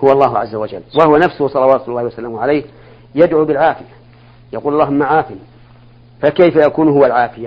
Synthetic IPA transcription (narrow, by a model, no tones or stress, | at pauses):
hʊwɑlˤːɑːɦʊʕa̰zːawad͡ʒa̰lːwahʊwanafsʊhʊsˤɑlɑwaːt̪ʊlːɑːhwasalaːmʊʕalajh | jad̪ʕuːbɪlʕaːfɪja | jaquːlɑlːˤɑːɦʊmːaʕaːfɪm | fakajfajakuːnɦʊwalʕaːfɪja